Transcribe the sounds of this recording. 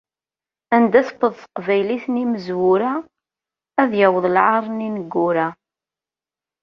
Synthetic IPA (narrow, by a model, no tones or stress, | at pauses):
ænd̪æsə̥pːəðˤθə̥qvæjliθniməzwʊɾæː | ðjæwəðˤlʕɑɾˤninəɡːʊɾæ